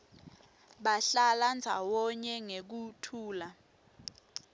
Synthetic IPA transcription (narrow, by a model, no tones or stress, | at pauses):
ɓaɬaland͡zʱawɔɲɛŋek̬utʰuːla